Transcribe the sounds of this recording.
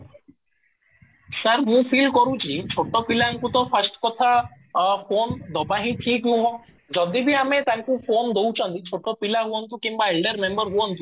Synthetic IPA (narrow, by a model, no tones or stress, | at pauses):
səɾmũpʰilkɔɾũt͡ʃʰit͡ʃʰoʈːɔpilaŋkut̪ɔpʰəsʈkɔt̪ʰa | pʰond̪ɔbaɦĩt̪ʰĩkũɦɔ̃ | d͡ʒɔd̪ibʱiamet̪aŋkupʰond̪owt͡ʃʰɔnt̪it͡ʃʰoʈːɔpilaɦuɔnt̪ũkimbaelɖəɾmembəɾɦuɔnt̪ũ